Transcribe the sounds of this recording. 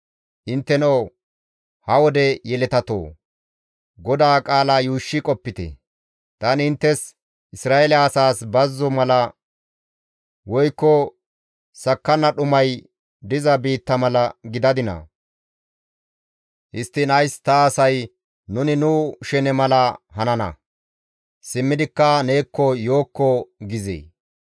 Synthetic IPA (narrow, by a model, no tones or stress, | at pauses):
ʔɪnt̪ːɛnɐw | hɐwɔd̪ɛjɛlɛt̪ɐt̪o̰ː | ɡɔd̪aːkʼaːlaːjuːʃːɪkʼɔpːɪt̪ɛ̰ | t̪ɐnɪnt̪ːɛs | ʔɪsɾaːɛlɛːsaːsbɐzːɔmɐlɐ | wɔjkːɔ | sɐkːɐnːɐɗʊmɐj | d̪ɪzɐbiːt̪ːɐmɐlɐɡɪd̪ɐd̪ɪnɐ̰ | ʔɪst̪ːɪnɐjst̪ɐːsɐj | nʊnɪnʊʃɛnɛmɐlɐhɐnɐnɐ̰ | sɪmːɪd̪ɪkːɐne̞ːkːɔjo̞ːkːɔɡɪzḛː